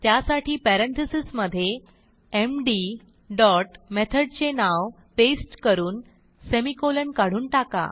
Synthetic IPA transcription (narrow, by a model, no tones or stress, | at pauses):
t̪jasaʈiːpɛɾent̪ʰisisməd̪ʱːje | emɖi | ɖɔʈmet̪ʰəɽt͡ɕenaʋ | pesʈkəɾuːn | semikolənkaɽ̤uːnʈaka̰